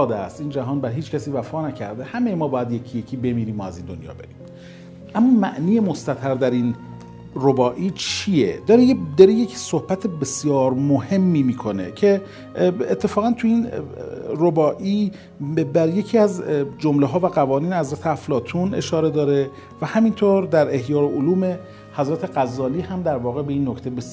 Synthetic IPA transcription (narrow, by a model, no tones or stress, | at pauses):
d̪æst̪iːnd͡ʒæɦɒːnbæɾɦiːt͡ʃcʰæsiːvæfɒːnæcʰæ̰ɾd̪ehæmejemɒːbɒːjæd̪jecʰijecʰiːbe̞miːɾiːmɒæziːnd̪o̰njɒ̰ːbeɾḭm | ʔæmːɒːmæʔniːjemost̪æt̪ʰæɾd̪æɾin | robɒːʔiːt͡ʃʰijḛd̪ɒːɾejed̪ɒːɾejecʰsohb̥æt̪ʰebesjɒːɾmohe̞mːiːmiːkʰone̞̰cʰe̞ | et̪ʰːe̞fɒːɣænt̪ʰuin | robɒːʔiː | bæɾje̞cʰiːæzd͡ʒomleɦɒːvæɣævɒːniːnhæzɾæt̪ʰeæflɒːt̪ʰune̞̰ʃɒːɾe̞d̪ɒːɾe | væhæmint̪ʰoɾd̪æɾehjɒːɾoʔoluːme̞ | hæzɾæt̪ʰe̞ɣæzːɒːliːhæmd̪æɾvɒːɣebeiːnːocʰt̪e̞bes